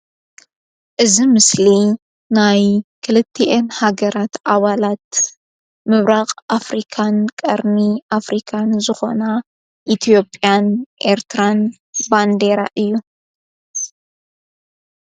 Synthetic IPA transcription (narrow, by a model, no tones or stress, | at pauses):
ʔɨzimɨsli | najkʰɨlɨt̪ʰːiʔenhaɡɐɾat̪ʔaβalat̪̚ | mɨβɾaqʼafɾikʰankʼɐɾmiʔafɾikʰanzɨxo̞̰nɐ | ʔit̪ʰijo̞pʼjanʔe̞ɾt̪ʰɨɾan | band̪eɾa̰ʔɨjːu